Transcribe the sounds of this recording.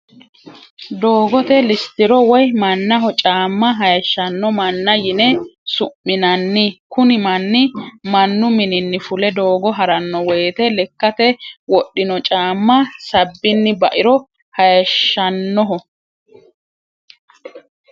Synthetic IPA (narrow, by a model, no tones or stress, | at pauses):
d̪o̞ːɡɔt̪ɛlɪst̪ɪɾɔwɔjmɐnːɐɦɔt͡ʃʼaːmːɐɦɐjɐʃːɐnːɔmɐnːɐjɪnɛsʊmːɪnɐnːɪkʊnɪmɐnːɪmɐnːʊmɪnɪnːɪfʊlɛd̪o̞ːɡɔɦɐɾɐnːɔwɛːt̪ɛlɛkːɐt̪ɛwɔɗːɪnɔt͡ʃʼaːmːɐsɐbːɪnːɪbɐʔɪɾɔ | hɐjɐʃːɐnːɔɦɔ